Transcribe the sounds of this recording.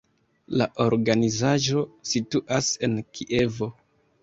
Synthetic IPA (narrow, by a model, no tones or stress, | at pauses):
laʔo̞ɾɡanizaʒo̞situʔase̞nkʰiʔe̞vo̞